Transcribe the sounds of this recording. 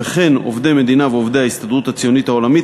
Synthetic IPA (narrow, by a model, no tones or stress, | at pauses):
eχe̞no̞̰vd̪eme̞d̪inaveovd̪eaist̪ad̪ʁut̪at͡sijo̞nit̪hao̞lamit